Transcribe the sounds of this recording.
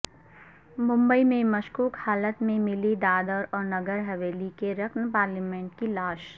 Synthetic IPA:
mʊ̃mbəimẽmɐʃkuːkhaːlət̪mẽmɪlid̪aːd̪əɾɔːɾnɐɡəɾɦɐʋeːlikeɾɐkʰnpaːɾliːmẽːɳʈkilaːʃ

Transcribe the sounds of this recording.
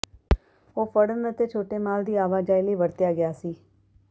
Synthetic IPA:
oːpəɽənʋet̪eːt͡ʃʰoːʈeːmaːld̪iːaːʋaːd͡ʒaːiːləiːʋəɽt̪ɪjaːɡɪjaːsiː

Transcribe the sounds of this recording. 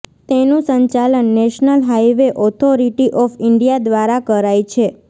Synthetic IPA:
t̪enũsəɲt͡ʃalənːɛʃnəlɦajʋeʔɔt̪ʰoɾiʈiʔɔfɪɳɖijad̪ʋaɾakəɾajt͡ʃʰe

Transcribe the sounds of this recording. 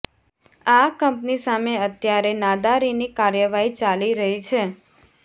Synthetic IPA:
akəmpnisameət̪jaɾenad̪aɾinikaɾjəʋaɦit͡ʃaliɾəɦit͡ʃʰe

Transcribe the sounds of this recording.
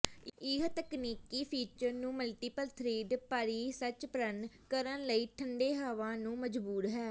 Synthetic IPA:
ɪɦt̪əkniːkiːpʰiːt͡ʃəɾnũːməlʈiːpəlt̪ʰɾeːd̪paːɾiːsət͡ʃpəɾənkəɾənləiːʈʰəɳɖeːɦaːʋãːnũːməd͡ʒbuːɾɦɛː

